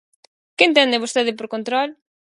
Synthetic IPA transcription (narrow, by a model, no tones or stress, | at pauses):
kɪent̪ɛnd̪ɪβost̪eðɪpoɾkont̪ɾɔl